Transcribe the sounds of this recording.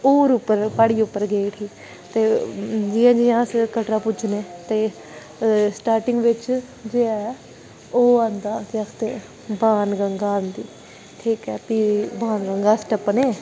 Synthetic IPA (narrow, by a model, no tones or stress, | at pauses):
oːɾʊpːəɾpaːɽiːʊpːəɾɡeːʈɦiː | t̪eːd͡ʒiːãːd͡ʒiːãːskəʈɾaːpʊt͡ʃneːt̪eː | sʈaːɾʈɪŋɡʋɪt͡ʃ | d͡ʒeːɛː | oːãːnd̪aːt̪əkʰt̪eː | baːnɡəŋɡaːnd̪iː | ʈʰiːkɛːpiːbaːnɡəŋɡaːsʈəpːəneː